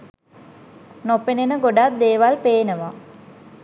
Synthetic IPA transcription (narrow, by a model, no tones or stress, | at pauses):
nopenenəɡoɖat̪̚d̪eːʋalpeːnəʋa